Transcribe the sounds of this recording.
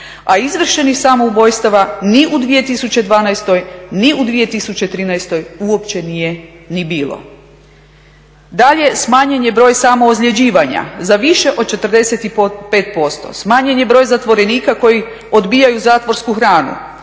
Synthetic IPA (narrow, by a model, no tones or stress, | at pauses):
aizʋr̩ʃenixsamoubo̞jst̪aʋaniʔud̪ʋije̞t̪isut͡ɕe̞d̪ʋaːnajst̪o̞jniud̪ʋije̞t̪isut͡ɕe̞t̪ɾiːnajst̪o̞juo̞pt͡ɕe̞nije̞nibiːlˠo̞̰ | d̪aʎe̞smaːɲeɲjebɾo̞ːjsamoːzʎʲed͡ʑiːʋaɲa̰zaʋiʃe̞ʔo̞d̪̚t͡ʃe̞t̪r̩d̪e̞set̪ipe̞ːt̪̚po̞st̪o̰smaːɲeɲebɾo̞ːjzat̪ʋo̞ɾe̞niːkako̞ji | o̞d̪biːjajuzaːt̪ʋo̞ɾskuxɾaːnṵ